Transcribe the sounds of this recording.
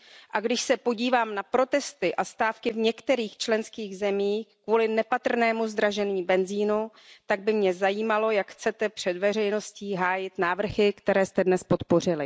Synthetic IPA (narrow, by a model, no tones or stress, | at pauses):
ʔaɡdɪʃsɛpo̞ɟiːvaːmnapɾo̞t̪ɛst̪ɪʔast̪aːfkɪvɲɛkt̪ɛɾiːxt͡ʃlɛnskiːɣzɛmiːkvuːlɪnɛpat̪r̩nɛːmuzd̪ɾaʒɛniːbɛnziːnu | t̪aɡ̚bɪmɲɛzajiːmalo̞jakxt͡sɛt̪ɛpr̝̥ɛdvɛr̝ɛjno̞sciːɦaːjɪt̪naːvr̩xɪkt̪ɛɾɛːst̪ɛdnɛspot̪po̞rɪlɪ